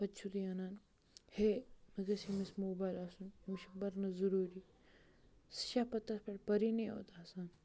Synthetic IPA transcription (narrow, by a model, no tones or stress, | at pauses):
pɐt͡ʃʰud̪iɐnaːn | hemɐɡɐsimismoːbaːjlɐsunmiʃɐbɐɾnɐzɐɾuːɾi | si̥ʃaːpɐt̪ːɐspɐʈpɐɾiniːo̰ːt̪asaːn